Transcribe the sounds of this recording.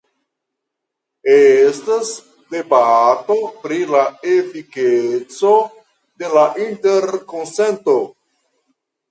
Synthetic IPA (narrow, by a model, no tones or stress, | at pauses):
estas | de̞bato̞pɾilaefiket͡so | de̞laʔinte̞ɾkonse̞nto